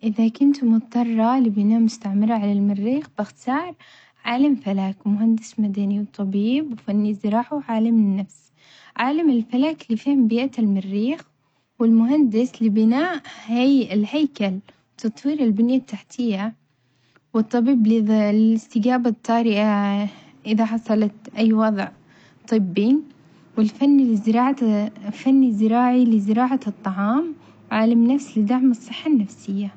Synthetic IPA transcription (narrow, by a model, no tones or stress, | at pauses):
ʔɪðakʊnt̪mʊt̪ˤːɑrˤːɑlɪbɪnaːʔmʊst̪aʕmɪɾˤɑʕalalmɪrːiːxbɪxt̪ɑːɾˤ | ʕaːlamfalaːkmʊɦand̪ɪsmad̪aniwt̪ˤːɑbiːbwfanːizɨɾˤɑːħuʕaːlamɪnːafs | ʕaːlamɪlfalaːklifiːhʊmbɪːʔat̪ɪlmɪrːiːx | wɪlmʊɦand̪ɪslɪbɪnaːʔhajɪlhajkalwt̪ɑt̪ˤwiːɾɪlbɪnjat̪ːaħt̪ʰɪjːa | wɨt̪ˤːɑbiːbllɪlɪst̪ɪɡaːbat̪ˤːɑːɾɪʔa | ʔɪðaħɑsˤɑlɑt̪ʔajːwɑðˤʕ | t̪ˤːɨbːi | wɪlfanːilɪzɾɑːʕfanːizɪɾaːʕilɪzɪɾɑːʕat̪ˤːɑʕɑːm | wʕaːlamnafslɪd̪aʕmɨsˤːɨħːanːafsɪjːa